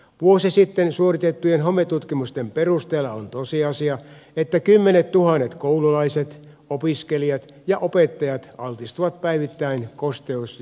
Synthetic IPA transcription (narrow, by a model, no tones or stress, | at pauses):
ʋuosisit̪ːensuorit̪et̪ːujenɦomet̪ːˑut̪kimust̪emperust̪eːlːɑont̪osiɑsiɑet̪ːækymːenet̪t̪uhɑnːet̪koululɑiset̪ | opiskeliɑt̪ | jɑʔopet̪ːɑjɑt̪ɑlt̪ist̪uʋɑt̪̚pæiʋit̪ːæinkost̪eus